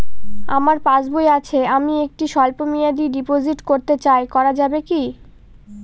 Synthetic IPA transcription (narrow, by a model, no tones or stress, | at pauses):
a̰maɾpãd͡ʑbojat͡ɕʰeamiek̚ʈiʃɔlpomijad̪iɖipod͡ʑiʈkoɾt̪et͡ɕaekɔɾad͡ʑabeki